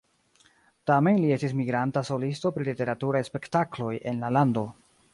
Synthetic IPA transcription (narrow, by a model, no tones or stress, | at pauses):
tame̞nlie̞stis̬miɡɾantaso̞listo̞pɾilite̞ɾatuɾajspe̞ktaklo̞jʔe̞nlalando̞